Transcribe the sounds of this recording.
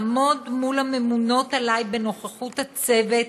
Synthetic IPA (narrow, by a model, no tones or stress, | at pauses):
mo̞dmulame̞muno̞t̪alajbeno̞χeχut̪hat͡se̞ve